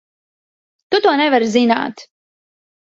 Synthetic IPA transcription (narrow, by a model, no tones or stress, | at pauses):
t̪ut̪uɔnɛvaɾzina̰ːt̪